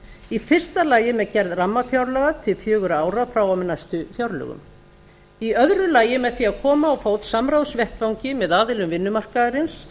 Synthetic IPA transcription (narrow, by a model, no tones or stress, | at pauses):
ifɪr̥st̪alaːjɪmɛɾcɛɾðramːafjawɾlɛɣat̪ʰɪlfjœːɣʏɾaaːwɾafɾawawmɪnajst̪ʏfjawɾlɛ̰ɣʏ̰m | iœðɾʏlaːjɪmɛðθiaðkʰɔːmaɔɣfoːwt̪samɾawðsvjɛht̪vawɲcɪmɛðaːðɪlʏmvɪnːʏmar̥kaɾɪns